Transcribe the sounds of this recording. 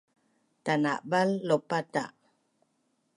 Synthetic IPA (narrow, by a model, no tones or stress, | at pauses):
t̪ana̰ʔbalːopat̪a̰ʔ